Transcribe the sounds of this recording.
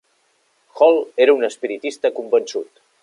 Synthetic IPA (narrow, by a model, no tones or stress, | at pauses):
xɔlˠeɾəunəspiɾit̪ist̪əkumbənsut̪